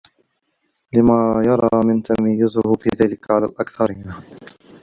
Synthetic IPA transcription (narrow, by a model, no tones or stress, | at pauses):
lɪmaːjɑɾˤɑːmɪnt̪amajːʊzʊhʊfiːðaːlɪkʕala̰ːlʔakθɑɾiːn